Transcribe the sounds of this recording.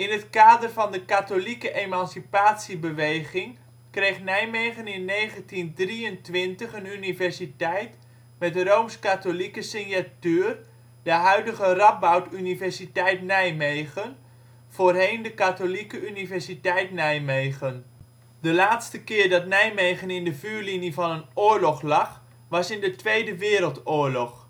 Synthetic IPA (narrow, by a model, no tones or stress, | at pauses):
ɪnɦətkaːdərvɑndəkatolikəʔejmɑnsipaːtsibəʋejχɪŋ | krejχnɛjmejχənɪnːejχəntindriəntʋɪntəχənynivɛɹsitɛjt | mɛdərowmskatolikəsɪnjatyːr | dəɦœɥdəχərɑp̚bawtynivɛɹsitɛjtnɛjmejχən | v̥oːrɦejndəkatolikəynivɛɹsitɛjtnɛjmejχən | dəlaːtstəkɪːɹdɑtnɛjmejχənɪndəvyːɹlinivɑnənʊːɹlɔχlɑχ | ʋɑsɪndətʋejdəʋɪːɾəlˠtʊːɹlɔχ